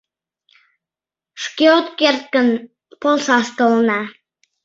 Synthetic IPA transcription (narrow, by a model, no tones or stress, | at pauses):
ʃkʲiot̪kert̪̚kən | polˠsɑst̪olˠənɑ